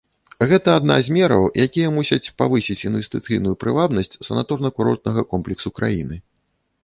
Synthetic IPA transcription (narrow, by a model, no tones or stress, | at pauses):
ɣɛt̪ɐːd̪na̰zʲmʲɛɾɐ̰wjʔakʲijɐmusʲɐt͡sʲpavɨsʲit͡sʲinvʲɛst̪ɨt̪sɨjnujupɾɨvab̪nɐsʲt͡sʲsɐnat̪ɔrnɐkuɾɔ̰rt̪nɐɣɐkɔmplʲɛksukɾa̰jinɨ